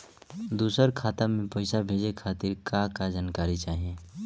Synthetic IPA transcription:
d̪uːsəɾkʰaːt̪amẽpəɪsabʱeːd͡ʒekʰaːt̪ɪɾkakad͡ʒaːnkaːɾit͡ʃaːɦieː

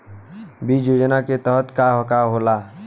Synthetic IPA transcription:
bid͡ʒjod͡ʒnaket̪əɦət̪kaɦəkaɦola

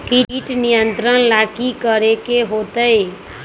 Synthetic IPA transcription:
kiiʈnijənt̪ɾənlakikəɾekeɦot̪əe

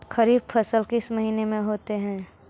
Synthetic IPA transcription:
kəɾiːb̚pʰəsəlkɪsməɦiːnemẽɦoːt̪eɦɛ̃ː

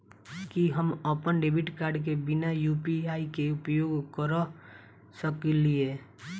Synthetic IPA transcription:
kiɦəməpənɖebʱiʈkaːɾɖk̬ebɪnajupiaikeʊpjoːɡkəɾ | səklie

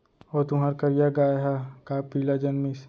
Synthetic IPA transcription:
ɔːt̪ʊɦaːɾkɐɾijaɡaːjɦakaːpiːlad͡ʒɐnmɪs

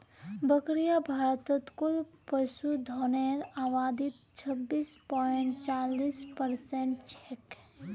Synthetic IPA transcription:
bəkɾijabʱaːɾət̪ət̪kʊlpəʃud̪ʱɔːneɾaːwaːd̪ɪt̪̚ | t͡ʃʰəbːiːspɔːɪɳʈ̚t͡ʃaːliːspəɾsẽɳʈt͡ʃɛk

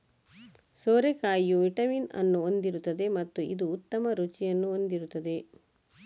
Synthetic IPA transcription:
soːɾekaːjːuʋiʈɐminɐ̰nːuond̪iɾut̪ːɐd̪e̞mɐt̪ːuḭd̪uːt̪ːɐmɐɾut͡ʃijɐnːuond̪iɾut̪ːɐd̪e̞

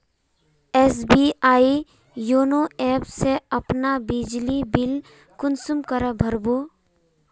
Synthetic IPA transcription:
eːs̬biaːi | joːnoɛːpseəpnabɪd͡ʒlibɪl | kʊnsumkəɾəbʱəɾbo

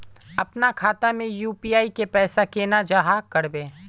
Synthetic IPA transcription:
ɐpnakʰaːt̪amẽjuːpiːaːikepɛːsakeːnad͡ʒaːɦakəɾbeː

